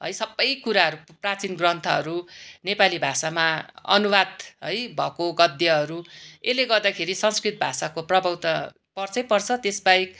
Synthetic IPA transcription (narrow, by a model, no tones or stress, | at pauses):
ɦʌ̰jsʌbːʌjkuɾaɦʌɾuprat͡sinɡrʌnt̪ʰʌɦʌɾunepalibʱasamaʌ̰nuwad̪ɦʌjbʱʌkoɡʌd̪jʌɦʌɾueleɡʌrd̪akʰeɾisʌnskrit̪̚bʱasakoprʌbʱʌwt̪ʌ | pʌrt͡sʌjpʌrt͡sʰʌt̪esbajk